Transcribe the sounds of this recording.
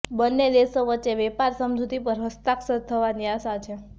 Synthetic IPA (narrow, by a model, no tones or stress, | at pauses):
bənːed̪esəʋətːt͡ʃːeʋɛpaɾsəmd͡ʒʱut̪ipəɾɦəst̪aksət̪ʰəʋaniaʃat͡ʃʰe